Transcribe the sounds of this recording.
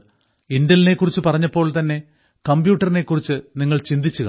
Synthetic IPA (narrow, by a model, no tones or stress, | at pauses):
indɐline̞kːurit͡ɕːɨpɐrɐɲːɐpːo̞ːɭt̪ɐnːe̞ | kɐmbjuːʈːɐrine̞kːurit͡ɕːɨniŋːɐɭt͡ɕind̪it͡ɕːuɣɐ̰